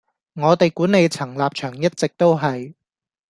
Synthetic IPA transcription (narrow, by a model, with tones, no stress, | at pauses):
ŋɔː˨˧t̪e˨jkuː˨˥nːe˨˧jt͡sʰɐ˨˩ŋlaː˨p̚t͡ʃʰœː˨˩ŋjɐ˥t̚t͡sɪ˨k̚t̪o˥wɦɐ˨j